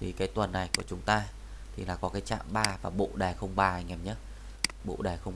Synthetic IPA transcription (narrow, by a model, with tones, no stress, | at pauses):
t̪ʰi˨˩kaː˨˦jt̪wə˨˩nːa˨˩jku˧˩ət͡ɕʊ˨˦ŋ͡mt̪aː˧ | t̪ʰi˨˩laː˨˩kɔ˨˦kaː˨˦jt͡ɕa̰ː˧˨mɓaː˧vaː˨˩ɓo̰˧˨ɗaː˨˩jxə˧wŋ͡mɓaː˧˨˩jŋɛ˨˧˩mɲə˦˥t̚ | ɓo̰˧˨ɗaː˨˩jxə˧wŋ͡m